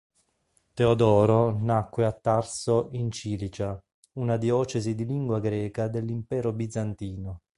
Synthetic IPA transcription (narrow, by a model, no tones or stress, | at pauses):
t̪eod̪ɔːɾonakːweat̪ːarsoʔint͡ʃiːlit͡ʃa | unad̪jɔːt͡ʃezid̪iliŋɡwaɡɾɛːkad̪elːimpɛːɾobid̪zant̪iːno